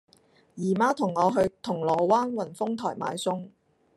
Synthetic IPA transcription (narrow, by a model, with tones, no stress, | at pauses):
jiː˨˩maː˧˥t̪ʰʊ˨˩ŋːɔː˨˧ɦɵ˧ɥt̪ʰʊ˨˩ŋlɔː˨˩waː˥nwɐ˨˩nfʊ˥ŋt̪ʰɔː˨˩jma̰ː˨˧jsʊ˥ŋ